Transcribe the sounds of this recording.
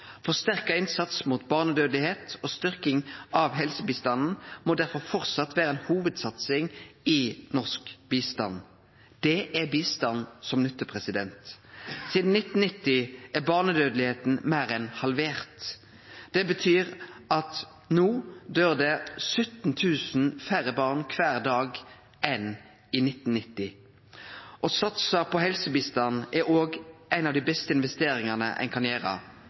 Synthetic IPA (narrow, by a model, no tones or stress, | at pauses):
fɔʁst̪æʁkɑɪnsɑt̪smuːt̪bɑːʁnəd̪øːd̪lɪheːt̪oːst̪ʏʁkɪŋɑʋɦɛlsəbiːst̪ɑnn̩moːd̪æʁfɔʁfɔʁt̪sɑt̪ːʋæːʁəɛːnhuːʋəd̪sɑt̪sɪŋɪnɔʁskbiːst̪ɑ̰n | d̪̥ɛʔæbiːst̪ɑnsɔmnʏt̪ːəpʰʁɛsɪd̪ɛnt̪siːd̪n̩nɪt̪n̩nɪt̪ːɪæʁbɑːʁnəd̪øːd̪lɪheːt̪n̩mæːɾɛnhɑlʋeːʁt̪ | d̪̥ɛbət̪ʰyːʁʔɑt̪ | nuːd̪øːʁd̪ɛsʉt̪n̩t̪ʰʉːsn̩fæʁəbɑːʁnkʰʋæːʁd̪ɑːɡ | ɛn | iːnɪt̪ːnnɪt̪ːɪ | ʔosɑt̪səpʰɔhɛlsəbiːst̪ɑnːʔɛɾoːɡʔæɪnɑʋd̪ɪbɛst̪əɪnʋɛst̪eːɾɪŋɑnə̰ʔɛ̰ɪnkʰɑnjæːʁɑ̰